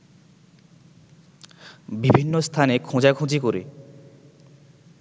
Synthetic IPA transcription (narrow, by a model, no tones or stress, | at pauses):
bibʱinːost̪ʰanekʰõd͡ʑakʰũd͡ʑikoɾḛ